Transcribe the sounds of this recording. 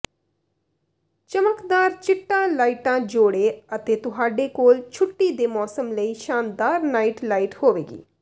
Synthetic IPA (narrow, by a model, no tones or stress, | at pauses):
t͡ʃəməkd̪aːɾt͡ʃɪʈːãːlaːiʈãːd͡ʒoːɽeːət̪eːt̪ʊɦaːɖeːkoːlt͡ʃʰʊʈːiːd̪eːmɔːsəmləiːʃaːnd̪aːɾnaːiʈlaːiʈhoːʋḛːɡḭː